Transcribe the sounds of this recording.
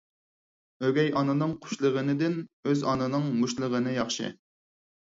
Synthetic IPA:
øɡʲɛjɑnɨnɨŋqʰʊ̥ʃlˠəʁənɨd̪ɪnøzɑnɨnɨŋmuʃlˠəʁənɨjɑχʃɨ̰

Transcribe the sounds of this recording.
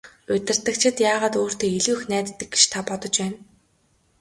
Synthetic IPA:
ʊt̪ʲɪ̆rt̪ɘ̆kt͡ɕʰɪ̆t̪jaːʁaːt̪oːr̥t̪ʰeːiɮɘ̆ɵxnæːt̪t̪ːɘ̆kɡɡe̥ʃt̪ʰapɔt̪ɞ̆t͡ɕpæːn

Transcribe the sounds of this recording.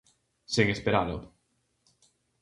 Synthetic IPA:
siŋespeɾalo̰

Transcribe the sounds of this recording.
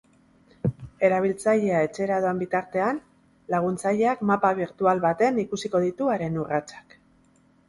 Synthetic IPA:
e̞ɾaβ̞ilt͡saʎe̞ae̞t͡ʃe̞ɾaðoembit̪aɾt̪e̞an | laɣ̞unt͡saʎe̞akmapaβ̞iɾt̪ualβat̪e̞nikusiko̞ðit̪uaɾe̞nurat͡ʃḁk

